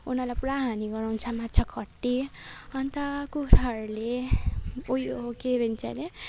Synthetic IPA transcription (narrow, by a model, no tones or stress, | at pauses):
unʌlajpɾaɦaniɡʌɾawnt͡sʰʌmatːt͡sʰakʰʌʈːiʌnt̪ʌkuɾɦʌrle | ojookebʱint͡sa̰le